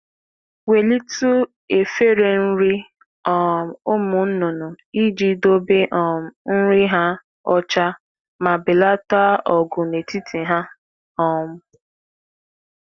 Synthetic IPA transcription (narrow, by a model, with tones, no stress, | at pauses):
we˨li˦tu˦ | e˨fe˦ɾe˨n̩˦ɾi˦ | ɔ˨o˦mʊ˨n̩˦nʊ˨nʊ˨ | i˦d͡ʒi˨do˦be˦ʔn̩˦ɾi˦ɦa˦ | ɔ˦t͡ʃa˦ | ma˨bɪ˨la˦ta˦ʔɔ˨ɡʊ˨ne˨ti˦ti˨ɦa˦ | ɔ˨mʊ˦